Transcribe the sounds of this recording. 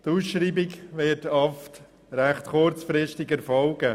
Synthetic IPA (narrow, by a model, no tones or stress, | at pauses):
tuːsʃɾiːbɪɡʋɪtɑft | ɾæχtχʊɾt͡sfɾɪʃtɪɡɛɾfɔlɡə